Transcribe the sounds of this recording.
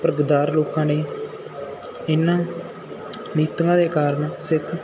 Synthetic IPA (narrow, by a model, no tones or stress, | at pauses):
pəɾɡd̪aːɾloːkãːneː | ɪnːãː | niːt̪ŋɡãːd̪eːkaːɾəɳsɪkʰ